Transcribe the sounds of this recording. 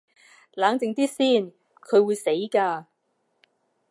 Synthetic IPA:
laː˨˥ŋt͡sɪ˨ŋt̪iː˥siː˥˩n | kʰɵ˨˧ɥwuː˨˧jse˨˥jkaː˧

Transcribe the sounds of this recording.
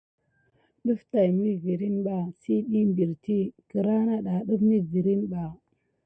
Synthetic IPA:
ɗu˦fta˨jmi˦vi˨ɾi˦nɓa˨si˦ɗi˦mbi˨ɾti˦ki˨ɾa˦na˦ɗa˨ɗu˦fni˦vi˨ɾi˦nba˨

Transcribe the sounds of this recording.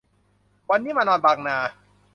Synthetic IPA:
wa˧nːiː˦˥maː˧nɔː˧nbaː˧k̚naː˧

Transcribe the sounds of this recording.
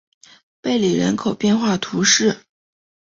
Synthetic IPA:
pe˥˩ɪli˨˩ɻə̰˧˥nkʰo˨˩ʊpjɛ˥˧nxwa˥˩t̪ʰu˧˥ʂɻ̩˥˩

